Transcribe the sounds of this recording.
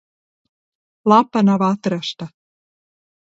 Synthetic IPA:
lɑpɑnɑβɑt̪ɤ̆ɾɑʃt̪ɑ

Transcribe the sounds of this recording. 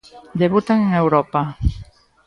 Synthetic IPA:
d̪eβut̪aŋeŋewɾɔpa

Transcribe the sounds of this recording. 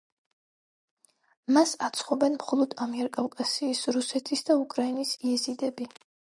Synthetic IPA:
masat̪sʰχɔbɛnmχɔlˠɔd̪amiɛɾkʼavkʼasiːsɾusɛt̪ʰisd̪aukʼɾainisiɛzid̪ɛbi

